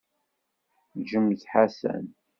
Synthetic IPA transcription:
ʒəmθħasæ̰n

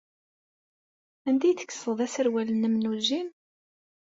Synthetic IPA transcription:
ænd̪æjθə̥kːə̥səðˤæsəɾwælənːəmnuʒin

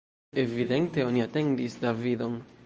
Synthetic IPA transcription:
e̞vide̞nte̞o̞niate̞ndisdavido̞n

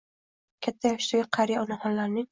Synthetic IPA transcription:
kʲʰat̪ʰːajaʃt̪ɪɡʲaqʰɑɾijaɒnahɒnlaɾnɪŋ

